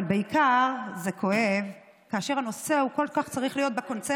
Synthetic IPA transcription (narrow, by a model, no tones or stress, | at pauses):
beikaʁze̞kʰo̞ʔev | kaːʃe̞ʁano̞se̞ukolkaχt͡saʁiχlijo̞t̪̚beko̞nt͡se